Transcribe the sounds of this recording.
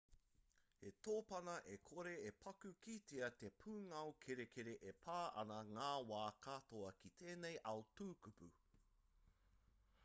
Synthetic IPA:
he̞t̪oːpɐnɐʔekʰoɾeepʰɐkʉkiteɐt̪e̞pʰuːŋɐwkʰeɾekʰeɾeʔepʰaːʔɐ̰nɐŋaːwaːkat̪oɐkit̪ʰeːnejʔɐwtuːkupʉ̰

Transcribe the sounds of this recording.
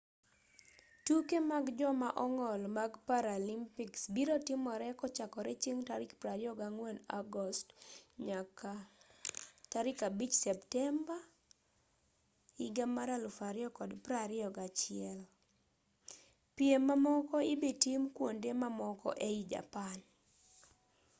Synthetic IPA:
tukemaɡd͡ʒɔmaʔɔŋɔlmaɡpaɾalimpiksbiɾotɪmɔɾɛkɔt͡ʃakɔɾɛt͡ʃiŋtaɾɪkpɾaɾɪɔɡaŋwenaɡɔstɲaka | taɾɪkabit͡ʃsɛptɛmba | ɪɡamaɾalufaɾɪɔkɔdpɾaɾɪɔɡat͡ʃɪɛl | pjemːamɔkɔɪbitimkwondemamɔkɔ̰ʔeid͡ʒa̰pan

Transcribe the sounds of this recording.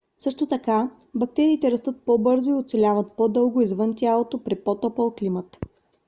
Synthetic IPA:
sɤʃt̪ot̪ɐka | bɐk̚t̪ɛɾiːt̪ɛɾɐst̪ɤt̪̚pobɤɾzoiot̪sɛlʲavət̪pod̪ɤlˠɡoizvɤnt̪ʲjalˠot̪opɾɛpɔt̪ɔpəlˠklimət̪

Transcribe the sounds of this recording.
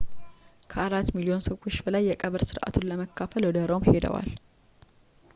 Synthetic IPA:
kʰəʔaɾat̪ːmilio̞nsəwot͡ʃːbəlajːɛkʼəβəɾsɨɾʔa̰t̪ʰunləməkːafəlwɔd̪əɾomhed̪ə̰wa̰l

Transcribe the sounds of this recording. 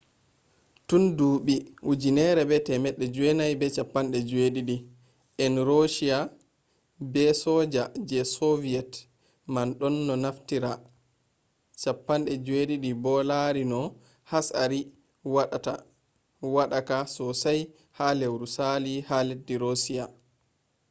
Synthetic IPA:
tunduɓiud͡ʒinɛɾɛbɛtɛmɛɗːɛd͡ʒuɛnajbɛt͡ʃapːanɗɛd͡ʒweɗiɗi | ʔɛnɾoʃia | bɛsɔd͡ʒad͡ʒɛsoviɛt | manɗɔnːɔnaftiɾa | t͡ʃapːanɗɛd͡ʒeɗiɗibɔlaɾinɔ | hasa̰ɾi | waɗata | waɗakasɔsaj | halewɾusalihaledːiɾosija

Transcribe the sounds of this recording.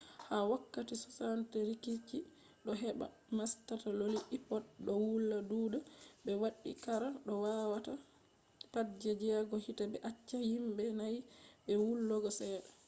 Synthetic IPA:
hawakːatisɔ̥santɛɾikit͡ʃːi | ɗɔɦɛba̰ | mastataloliʔipɔdɗɔwulːaduːdabɛwaɗːḭkaɾaɗɔwawata | pad͡ʒɛd͡ʒɛɡɔhitabɛʔat͡ʃːahimbɛnajbɛwulːɔɡɔsɛːɗɛ

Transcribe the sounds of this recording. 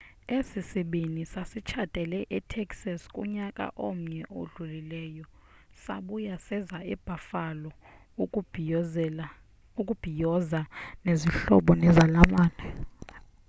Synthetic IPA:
esisiɓinisasit͡ʃʰatʼɛlɛʔɛtʰɛkʼsaskʼṵɲakʼa̰ʔom̩ɲɛʔoɮulilɛːjɔ | saɓujasɛzaɛb̥ʱafalɔ | ukʼub̥ʱijɔzaneziɬɔ̰ɓɔnɛzalamaːnɛ

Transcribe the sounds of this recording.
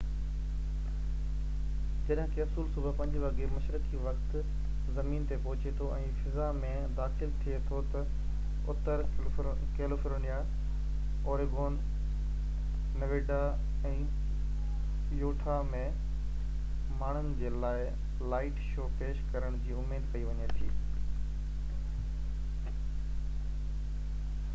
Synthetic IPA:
d͡ʑɐɗɦɪ̃kʰeɐfsuːlsʊbəpɐ̃ɲd͡ʑʋɐɡemɐʃɾəkiʋɐxt̪ | zɐmiːnt̪epɐɦʊt͡ɕet̪ʰoɛ̃ːfɪzamẽ | d̪aːxɪlt̪ʰiet̪ʰot̪ɐ | ʊt̪əɾ | keːlofɪɾɽ̃ija | oːɾeɡoːn | nɐʋeːɖa | ɛ̃ː | juːʈʰamẽ | maːɳ̤ənɪ̆d͡ʑeːlaːɪ | laːɪʈʃoːpeːʃkɐɾəɽ̃d͡ʑiːʊmeːd̪kɐiʋɐɲet̪ʰiː

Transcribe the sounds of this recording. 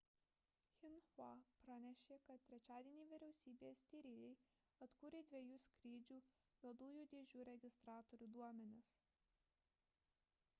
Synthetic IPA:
xʲɪnxɑpɾɑnʲɛʃʲeːkɐt̪̚t̪ʲɾʲɛt͡ʃʲæːd̪ʲieːnʲiːʋʲɪɾʲɛʊsʲiːbʲeːsʲt̪ʲiːɾʲeːjɛɪ | ɐt̪kuːɾʲeːd̪ʲʋʲeɛjuːsʲkɾʲiːd͡ʒʲuː | ʋʲɛd̪uːjuːd̪ʲeːʒʲuːɾʲɛɡʲɪst̪ɾɑːt̪ɔɾʲuːd̪uɔmʲɛnʲɪs

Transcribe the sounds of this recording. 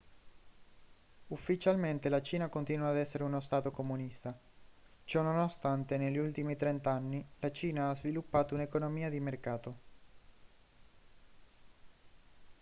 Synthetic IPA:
ufːit͡ʃalment̪elat͡ʃiːnakont̪inuaːd̪ɛsːeɾeunost̪aːt̪okomunist̪a | t͡ʃɔnonost̪ant̪eneʎːiult̪imit̪ɾɛnt̪anːilat͡ʃiːnaazvilupːaːt̪ounekonomiːad̪imerkaːt̪o

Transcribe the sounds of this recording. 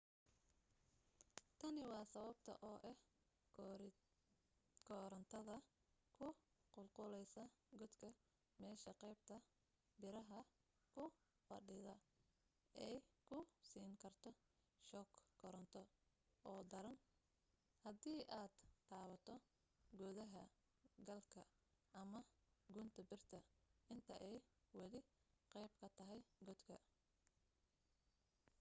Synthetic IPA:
t̪ʰɐnɪwɑːsɐβɐb̚t̪ʰɐ̰ʔɔːʔɛh | kʰɔːɾɐnt̪ʰɐðɐ | kʰʊ | qʊlqʊlɛjsɐɡɔd̪kʰɐ | mɛːʃɐqɛjb̚t̪ʰɐ | bɪɾɐɦɐ | kʰʊ | fɐ̰ɖɪðɐ | ɛjkʰʊsiːŋkʰɐrt̪ʰɔ | ʃɔːkːɔɾɔnt̪ʰɔ | ɔːd̪ɐɾɐn | hɐdiːʔaːd̪t̪ʰaːβɐt̪ʰɔ | ɡɔːðɐɦɐ | ɡɐlkʰɐ | ʔɐmɐɡʊnt̪ʰɐbɪrt̪ʰɐɪnt̪ʰɐʔɛjwɐlɪqɛjbkʰɐt̪ʰɐɦɛjɡɔd̪kʰɐ

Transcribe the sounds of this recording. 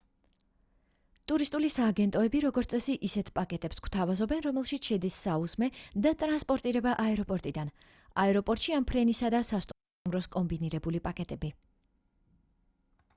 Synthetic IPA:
t̪ʼuɾist̪ʼulisaːɡɛnt̪ʼɔɛbiɾɔɡɔɾt̪sʼɛsiʔisɛt̪ʰpʼakʼɛt̪ʼɛpskw̥t̪ʰavazɔbɛnɾɔmɛlˠʃit̪sʃɛd̪isːauzmɛd̪at̪ʼɾanspʼɔɾt̪ʼiɾɛbaʔaɛɾɔpʼɔɾt̪ʼid̪an | aɛɾɔpʼɔɾt̪ʃiampʰɾɛnisad̪asast̪ʼ | tumɾɔskʼɔmbiniɾɛbulipʼakʼɛt̪ʼɛbi

